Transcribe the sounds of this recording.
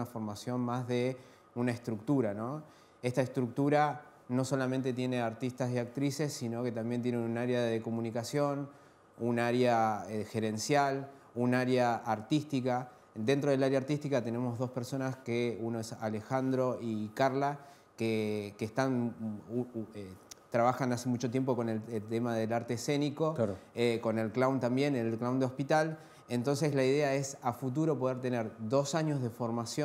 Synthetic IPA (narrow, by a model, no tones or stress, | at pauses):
afo̞ɾmasjo̞nmazðe̞ | unaest̪ɾuk̚t̪uɾano̞ | e̞st̪aest̪ɾuk̚t̪uɾa | no̞so̞lamẽ̞nt̪e̞t̪je̞ne̞aɾt̪ist̪asiak̚t̪ɾise̞sːino̞ke̞t̪ambjent̪je̞nenunaɾjaðeðeko̞mũnikasjo̞n | unaaɾjaexe̞ɾe̞nsjal | unaɾjaʔaɾt̪ist̪ika | d̪e̞nt̪ɾo̞ð̞e̞laɾjaɾt̪ist̪ikat̪e̞ne̞mo̞zðo̞spe̞ɾso̞naskeuno̞esale̞xand̪ɾo̞ikaɾla | kekeːst̪an | et̪ɾaβaxanase̞mut͡ʃo̞t̪̬je̞mp̬o̞ko̞nelt̪emaðe̞laɾt̪ese̞niko̞eko̞ne̞lklawnt̪ambje̞nellklawnd̪eospit̪al | ent̪o̞nseslaiðe̞ae̞safut̪̬uɾo̞po̞ð̞eɾt̪e̞ne̞ɾd̪o̞saɲo̞zð̞e̞fo̞ɾmasjo